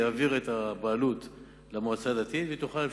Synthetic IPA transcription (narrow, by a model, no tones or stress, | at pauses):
aːviʁet̪abaːlut̪ | lamoat͡sad̪at̪it̪vet̪uχal